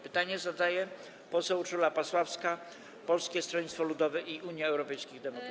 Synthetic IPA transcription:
pɘt̪aɲɛzad̪ajɛ | pɔsɛwt͡ʂulapaswafska | pɔlskʲɛst̪ɾɔɲʲit̪t̪fɔlud̪ɔvɛʔiʔuɲjaɛwɾɔpɛjskʲiɣd̪ɛmɔk

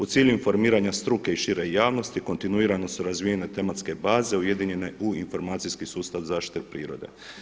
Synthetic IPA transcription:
ut̪siːʎuinfo̞ɾmiːɾaɲast̪ɾuke̞iʃiɾe̞jaːʋno̞st̪iko̞nt̪inuiːɾano̞suɾazʋijene̞t̪e̞mat̪ske̞baːze̞uje̞d̪iɲe̞ne̞uinfo̞ɾmaːt̪sijskisuːst̪aʋzaːʃt̪i̥t̪epɾḭːɾo̞d̪e̞̰

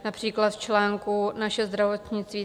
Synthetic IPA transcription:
napr̝̥iːklat̪ft͡ʃlɛːŋkunaʃɛzd̪ɾavot̪ɲɪt͡st̪viː

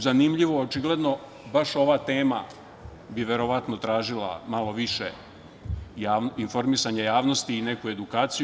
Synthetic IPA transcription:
zanimʎiʋoot͡ʃiɡle̞d̪no̞ | baʃo̞ʋat̪e̞ːma | biʋe̞ɾo̞ʋat̪no̞t̪ɾaːʒila̰malo̞ʋiʃe | jaːninfo̞ɾmisaɲajaːʋno̞st̪iːne̞kue̞d̪ukaːt̪sij

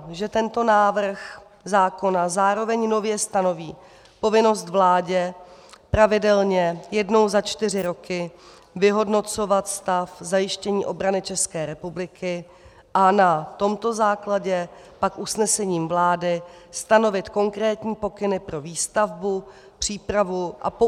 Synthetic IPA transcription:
ʒɛt̪ɛnt̪o̞naːvr̩x | zaːko̞nazaːɾo̞vɛɲno̞vjɛst̪ano̞viː | po̞vɪno̞st̪vlaːɟɛpɾavɪdɛlɲɛjɛdno̞wzat͡ʃt̪ɪrɪɾo̞kɪ | vɪɦo̞dno̞t͡so̞vat̪st̪afzajɪʃcɛɲiːʔo̞bɾanɪt͡ʃɛskɛːɾɛpublɪkɪ | ʔanat̪o̞mt̪o̞zaːklaɟɛpakʔusnɛsɛɲiːmvlaːdɪ | st̪ano̞vɪt̪ko̞ŋkɾɛːt̪ɲiːpo̞kɪnɪpɾo̞viːst̪avbu | pr̝̥iːpɾavuʔa̰

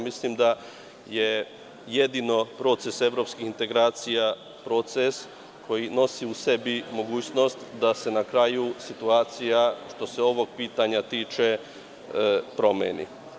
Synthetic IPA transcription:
mislimd̪a | je | je̞d̪ino̞pɾo̞t̪se̞se̞ʋɾo̞pskihint̪e̞ɡɾaːt̪sija | pɾo̞t̪ses | kʰo̞jino̞siuse̞bimo̞ɡuːt͡ɕno̞st̪d̪ase̞nakɾaːjusit̪uaːt̪sijaʃt̪o̞se̞o̞ʋo̞ɡ̚piːt̪aɲat̪iːt͡ʃe̞ | pɾo̞mḛnḭ

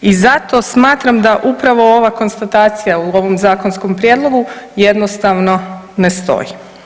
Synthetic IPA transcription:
izat̪o̞smaːt̪ɾamd̪aʔupɾaʋo̞o̞ʋako̞nst̪at̪aːt̪sijauo̞ʋo̞mzaːko̞nsko̞mpɾjeːd̪lˠo̞ɡuje̞d̪nost̪aʋno̞ | nest̪o̞̰ji

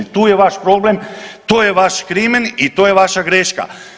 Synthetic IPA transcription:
t̪uːjeʋaʃpɾo̞ble̞mt̪oːjeʋaʃkɾimenit̪oːjeʋaʃaɡɾeːʃka̰

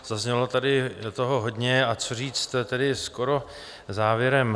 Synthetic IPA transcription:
z̥azɲɛlo̞t̪adɪt̪oɦoɦo̞dɲɛat͡sor̝iːt͡st̪t̪ɛdɪskoɾo̞ | zaːvjɛɾɛm

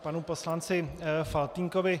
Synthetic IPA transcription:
panuposlant͡sɪfalt̪iŋkovɪ

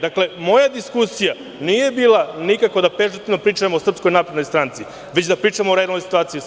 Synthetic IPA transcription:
d̪akle̞mo̞jad̪iskusija | niːje̞biːlˠanikako̞d̪apezut̪inopɾiːt͡ʃaemoːsr̩psko̞jnaːpɾed̪no̞jst̪ɾaːnt̪si | ʋet͡ɕd̪apɾiːt͡ʃamoɾed̪lnojsi̥t̪uaːt̪sijiu

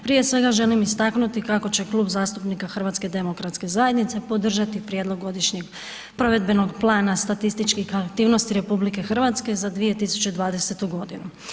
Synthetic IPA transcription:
pɾije̞sʋe̞ɡaʒe̞limist̪aknut̪ikako̞t͡ɕe̞klˠuːbzaːst̪upnikaxr̩ʋat̪ske̞d̪e̞mokɾat̪ske̞zaje̞d̪nit̪se̞po̞d̪r̩ʒat̪ipɾjed̪lˠo̞ɡːo̞d̪iʃɲeɡ | pɾo̞ʋe̞d̪be̞no̞ɡplˠaːnast̪at̪ist̪it͡ʃkixakt̪iːʋno̞st̪iɾe̞publike̞xr̩ʋat̪ske̞zad̪ʋije̞t̪isu̥t͡ɕe̞d̪ʋaːd̪e̞se̞t̪uɡo̞d̪inu

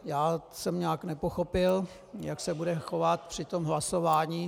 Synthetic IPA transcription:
jaːsɛmɲaːknɛpoxo̞pɪl | jaksɛbudɛxo̞vat̪̚pr̝̥ɪt̪omɦlaso̞vaːɲiː

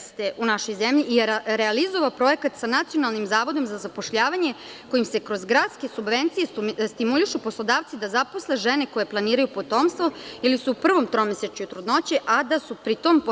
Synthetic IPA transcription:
st̪eʔunaʃo̞jzemʎiːɾealizo̞ʋapɾo̞je̞kat̪sanat̪sijo̞nalˠnimzaːʋo̞d̪o̞mzazapo̞ʃʎaːʋaɲe̞ | ko̞jimse̞kɾo̞zɡɾadt̪ske̞subʋe̞nt̪sije̞st̪imuliʃupo̞slˠo̞d̪aːʋt̪sid̪azapo̞sleʒeneko̞je̞plˠaniːɾajupo̞t̪o̞ːmst̪ʋo̞ilisuːpr̩ʋo̞mt̪ɾo̞meset͡ʃɲut̪ɾud̪no̞t͡ɕe̞ʔad̪asupɾit̪omp

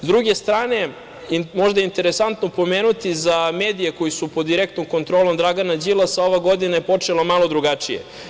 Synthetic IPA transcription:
zd̪ɾuɡe̞st̪ɾaːne̞ | mo̞ʒd̪aeint̪e̞ɾesant̪nopo̞meːnut̪izameːd̪ijeko̞jisupod̪ːiɾek̚t̪nomko̞nt̪ɾo̞ːlo̞md̪ɾaɡanad͡ʑilˠasaoʋaɡo̞d̪inaepo̞t͡ʂelˠomalˠo̞d̪ɾuɡat͡ʂijḛ

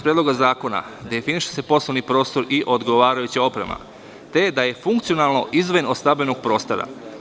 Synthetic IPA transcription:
pɾied̪loɡazaːko̞na̰d̪e̞finiʃe̥se̞po̞sloʋnipɾo̞ːst̪o̞ɾiʔo̞d̪ɡo̞ʋaːɾajut͡ɕao̞pɾe̞̰ma̰ | t̪e̞d̪ajefuŋkt̪sio̞nalˠno̞ʔizʋojenod̪st̪abʲenoɡ̚pɾo̞ːst̪o̞ɾa̰

